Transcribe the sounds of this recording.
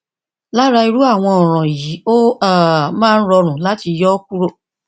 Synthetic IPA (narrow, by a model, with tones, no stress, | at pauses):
la˦ɾa˧i˧ɾu˦a˦˨w̃ɔ̃˧ɔ˨ɾ̃ɔ̃˨ji˨˦o˦a˦˨˦mãː˦˧n̩˦ɾɔ˧ɾ̃ũ˨˦la˨˦ti˧jɔ˦k̚u˦ɾo˦˨